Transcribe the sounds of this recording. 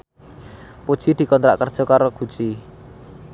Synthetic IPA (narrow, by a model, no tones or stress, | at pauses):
pod̥ʒ̥id̪̥i̤kɔnt̪ɾa̰ʔkərd̥ʒ̥ɔ̤kaɾoɡ̥ṳ̥t͡ʃi